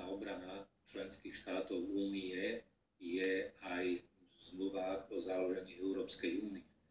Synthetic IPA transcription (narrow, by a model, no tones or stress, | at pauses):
aɔbɾana | t͡ʃlɛnskiːxʃt̪aːt̪ɔʊuːniɛ | jɛajzmluʋaɔzaluʒɛɲiːɛʊɾɔːpskɛjuːniɛ